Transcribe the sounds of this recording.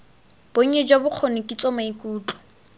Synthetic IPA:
b̥oɲ̩ɲɛd͡ʒwabʊq͡χʰonekʼit͡sʼɔmaikʼuːt͡ɬʼɔ̥

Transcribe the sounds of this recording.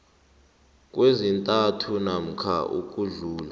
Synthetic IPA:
k̬ʼwezintʼatʰunam̩kʰa̰ʔṵkʼuɮuːla

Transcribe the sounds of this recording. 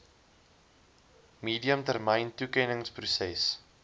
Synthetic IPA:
miːdiəmtærməjntukɛnəŋsprusɛs

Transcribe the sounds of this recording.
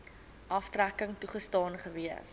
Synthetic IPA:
ʔɐftrækəŋtuχəstɑːnχəviəf

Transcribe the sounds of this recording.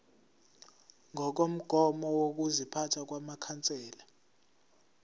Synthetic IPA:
ŋɔk̬om̩ɡ̥ʱɔmɔwok̬uzipʰatʰak̬wamakʰant͡sʼɛːla

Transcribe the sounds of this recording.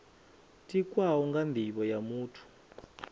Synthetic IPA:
tʼikʼwawɔŋɡand̪ʱiɓɔjamuːtʰu̥

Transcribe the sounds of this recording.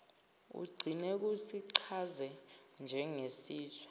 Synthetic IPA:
ṵɡ͡ǀʱinɛk̬usiǀʰazɛ | nd͡ʒʱɛŋesiːtʰḁ

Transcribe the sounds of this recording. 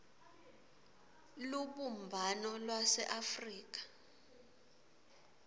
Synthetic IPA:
luɓumbʱanɔlwasɛʔafriːk̬ḁ

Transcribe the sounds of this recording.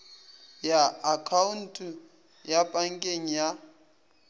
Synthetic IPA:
jaːkʰaun̩tʰʼu | japʼaŋ̩kʼeŋ̩ja

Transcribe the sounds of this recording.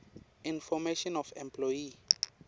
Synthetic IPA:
ĩnfɔmeʃɔnɔfɛ̃mpʰlɔji

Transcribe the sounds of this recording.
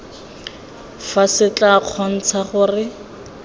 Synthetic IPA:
fasɪt͡ɬʼaq͡χʰɔn̩t͡sʰaχʊrɪ

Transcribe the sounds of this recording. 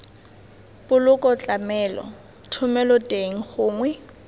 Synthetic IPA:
pʊlʊkʼɔt͡ɬʼamɛːlɔ̰ | tʰʊmɛlɔtʼeŋ̩χʊːŋwɛ

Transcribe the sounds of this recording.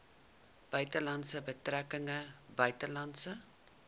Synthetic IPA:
b̥œɥtəlɐntsəbətrækəŋəbœɥtəlɐntsə

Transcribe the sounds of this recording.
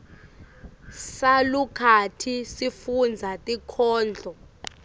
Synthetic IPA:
salukʰatʰisifund͡zʱatʼikʰɔːnd͡ɮʱɔ

